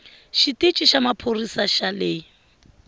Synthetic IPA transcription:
ʃitʼɪt͡ʃʼɪʃamapʰorisaʃalɪ

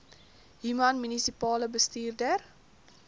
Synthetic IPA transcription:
ɦymɐnmynisipɑːləbəstiːrdər

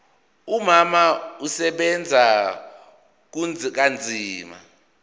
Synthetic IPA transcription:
umamausɛɓɛnd͡zʱa | k̬und͡zʱk̬and͡zʱiːma̰

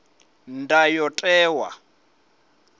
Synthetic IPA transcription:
ndajɔtʼɛːwa̰

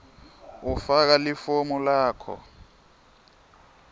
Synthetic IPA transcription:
ufak̬alifomulaːkʰɔ̰

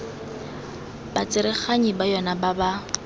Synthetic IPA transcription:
b̥at͡sʼɪɾɪχaɲibajɔnababa

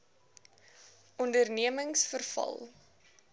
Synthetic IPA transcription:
ɔndərniəməŋsfərfɐ̰lˠ

